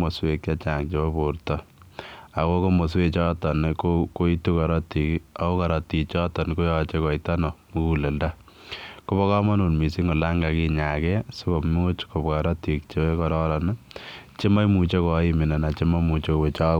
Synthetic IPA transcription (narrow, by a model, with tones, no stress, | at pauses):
mo˨swe˨kt͡ʃa˦t͡ʃa˨ŋt͡ʃe˨bɔ˦po˨ɾtɔ˦ | a˨ko˦ko˦mo˨s̬we˦t͡ʃɔ˦tɔ˨nkoko˦i˦tu˦ka˨ɾɔ˦ti˨ka˨ko˦ka˨ɾɔ˨ti˨t͡ʃɔ˦tɔ˨nko˦jɔ˨t͡ʃe˦kɔ˨ita˦nɔ˨mu˦ku˨le˨nda˦ | ko˦bɔ˦kɔ˦ma˦nu˨lmi˨si˦ŋɡo˨la˦ŋɡa˨ki˦ɲa˨kɛ˦sʊ˦ko˨mu˦t͡ʃko˨pka˨ɾɔ˦ti˨kt͡ʃe˦e˦kɔɾɔ˦ɾɔ˨nt͡ʃe˦ma˦jmu˨t͡ʃe˦kɔ˨i˦mɪ˨na˨na˨t͡ʃe˦ma˦mu˨t͡ʃeko˨we˨t͡ʃa˦